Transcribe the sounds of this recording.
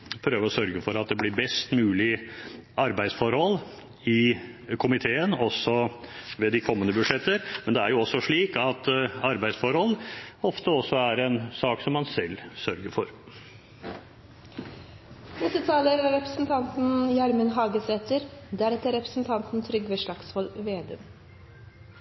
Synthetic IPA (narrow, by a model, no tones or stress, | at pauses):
pʰɾøːʋəɾɔsœɾɡəfɔɾɑt̪̚d̪ɛblɪɾbɛst̪mʉːlɪʔɑɾbæɪsfɔɾhɔlː | ɪ | kʰʊmɪt̪ʰeːənɔsːɔʋeːd̪ɪkʰɔmːənəbʉd̪ʂɛt̪ːəɾmɛnd̪ɛæɾjʊɔsːɔʂɭiːkɑt̪ɑɾbæɪd̪sfɔɾhɔlːɔft̪əɔsːɔæɾɛnsɑːksɔmːɑnsɛlːsœɾɡəɾfɔɾ | nɛst̪ət̪ʰɑːləɾæɾɛpɾəsn̩t̪ʰɑnt̪n̩jɑɾmənɦɑːɡəsɾɛt̪əɾd̪æɾɛt̪ːəɾɛpɾə̥sn̩t̪ʰɑnt̪n̩t̪ʰɾʏɡʋeːʂɭɑkshɔlʋeːd̪ə̰ːm